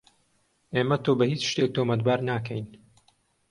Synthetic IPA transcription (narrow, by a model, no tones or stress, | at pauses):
ʔeːmɐt̪ʰobɐhiːt͡ʃʃt̪ek̚t̪ʰoːmɐt̪baːɾnaːkʰɛjn